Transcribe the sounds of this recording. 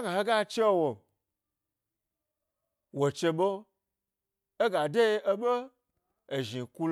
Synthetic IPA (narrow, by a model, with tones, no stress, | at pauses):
ɡa˨he˦ɡa˦t͡ʃe˦wo˨ | wo˨t͡ʃe˧ɓo˦ | e˦ɡa˨de˦e˦ɓo˦ | e˨ʒi˨ku˦l